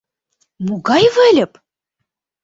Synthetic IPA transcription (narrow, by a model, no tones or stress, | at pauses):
muɣɑjvɘ̆lʲɘ̆p